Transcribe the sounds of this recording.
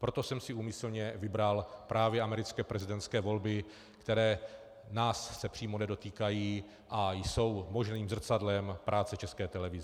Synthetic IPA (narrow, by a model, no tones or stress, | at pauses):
pɾo̞t̪o̞sɛmsɪuːmɪsl̩ɲɛvɪbɾalpɾʔaːvjɛʔamɛɾɪt͡skɛːpɾɛzɪdɛnt̪skɛːvo̞lbɪ | kt̪ɛɾɛː | naːsːɛpr̝̥iːmonɛdo̞t̪iːkajiː | ʔajso̞wmo̞ʒniːmzr̩t͡sadlɛmpɾʔaːt͡sɛt͡ʃɛskɛːt̪ɛlɛvɪzɛ